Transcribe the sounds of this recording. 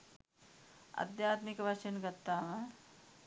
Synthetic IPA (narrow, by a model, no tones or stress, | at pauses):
a̰d̪jaːt̪mikəʋaʃenɡat̪ːaːmə